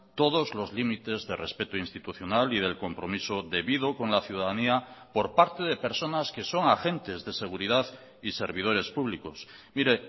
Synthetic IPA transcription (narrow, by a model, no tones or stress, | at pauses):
t̪o̞ð̞o̞zlo̞zlimit̪e̞zðe̞re̞spe̞t̪oinst̪it̪uθjo̞nalið̞e̞lko̞mpɾo̞miso̞ðe̞βiðo̞ko̞ŋlaθjuðaðaniapo̞ɾpaɾt̪e̞ðe̞pe̞ɾso̞naske̞so̞ŋaxe̞nt̪e̞zðese̞ɣ̞uɾiðað | ise̞ɾβið̞o̞ɾe̞spuβ̞liko̞smiɾe̞